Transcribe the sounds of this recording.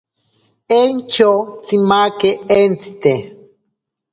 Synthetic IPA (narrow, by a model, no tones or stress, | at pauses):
ent͡ʃot͡simakeent͡si̥t̪e